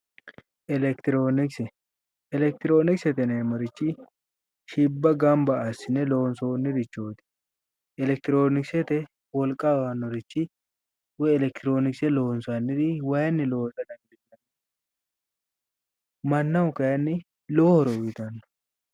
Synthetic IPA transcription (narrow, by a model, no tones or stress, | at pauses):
ɛlɛkt̪ɪɾoːnɪksɛ | ɛlɛk̚t̪ɪɾoːnɪksɛt̪ɛnemɐɾɪt͡ʃːɪ | ʃɪbːɐɡɐmbɐːsɪnɛloːnsonːɪd̪ɪt͡ʃːoːt̪ɪ̥ | ɛlɛk̚t̪ɪɾoːnɪksɛt̪ɛ | wɔlkʼːawɐnːɔɾɪt͡ʃːɪ | wɔjɛlɛk̚t̪ɪɾo̞ːnɪksɛloːnsanːɪd̪ɪwɐjɐnːɪloːsɐd̪ɐnd̪ɪɐn | mɐnːɐwʊkɐjɐnːɪ | lɔɔhɔɾɔwit̪ɐnː